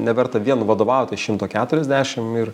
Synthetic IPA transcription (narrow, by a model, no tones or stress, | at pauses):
nʲɛʋʲɛɾt̪ɐʋʲiɛnʋɐd̪oːʋɐˑʊt̪ʲɐʃʲɪmt̪oːkʲæːt̪ʊɾʲɛzʲd̪ʲæːʃʲɪmɪr